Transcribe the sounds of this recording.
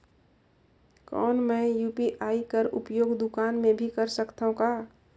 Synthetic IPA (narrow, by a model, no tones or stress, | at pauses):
kɔ̰ːnmɛ̃ːjuːpiʔaːikəɾʊ̰pjoːɡd̪ʊkaːnmẽbʱikəɾsəkt̪aɦũkaː